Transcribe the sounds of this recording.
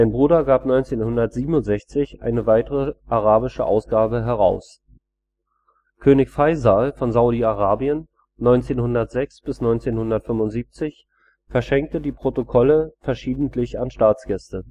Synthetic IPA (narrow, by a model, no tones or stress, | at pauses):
maɪnbʁuːdɐɡaːpnɔʏnt͡seːnhʊndɐtz̥iːbm̩ʊntz̥ɛçt͡sɪçʔa̰ɪnəvaɪtəʁəʔaʁaːbɪʃəʔa̰ʊsɡ̥aːbəɦɛʁaʊs | kʰøːnɪçfaɪzaːlfɔnzaʊɾiaʁaːbiənː | ɔʏnt͡seːnhʊndɐtz̥ɛksb̥ɪsnɔʏnt͡seːnhʊndɐtfʏmvʊntz̥iːp̚t͡sɪç | fɛɐʃɛŋk̚tədiːpʁ̥otokʰɔləfɛɐʃiːdn̩tʰlɪçanʃtaːt͡sɡ̥ɛstə